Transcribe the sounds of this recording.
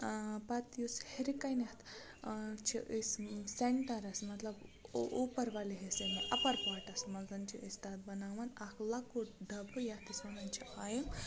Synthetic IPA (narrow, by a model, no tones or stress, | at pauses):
pɐt̪jusheɾikɐjnit̪ | t͡ʃʰiʔisseɳʈɐɾɐsmɐt̪lɐbʔopɐɾʋaliɦesemeʔɐpɐɾpaːʈɐsmɐzɐnt͡ʃʰiʔist̪at̪̚bɐnaːʋɐnakʰlɐkuʈɖɐbʱɨjat̪isɐnɐnt͡ʃʰiʔajɐm